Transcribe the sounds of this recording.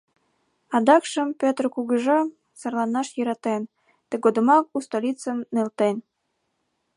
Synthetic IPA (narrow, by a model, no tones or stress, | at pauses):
ɑd̪ɑkʃə̆mpʲot̪rkuɣəʒɑ | sərlˠɑnɑʃjə̆ɾɑt̪en | t̪ə̆ɡod̪ə̆mɑk̚ust̪olʲit͡sənːelt̪en